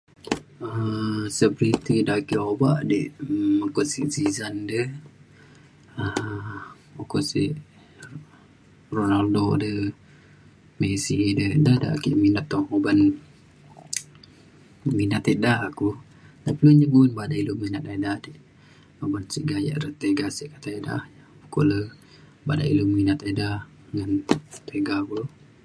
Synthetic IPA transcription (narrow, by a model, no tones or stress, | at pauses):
əsəpɾit̪idakiʔobaʔdiʔməkɔsiʔsizandəh | ə | okɔʔsḭʔ | ronaldodə | mesidədahda̰ʔkiʔminat̪ːɔŋhoban | minat̪edaaku | dapluɲəbunbadaʔiluminat̪adadiʔ | hobansiʔɡaja̰ʔɾət̪eɡasiʔkat̪aida̰h | ukolə | bada̰ʔḭluminat̪ada | ŋant̪eɡabu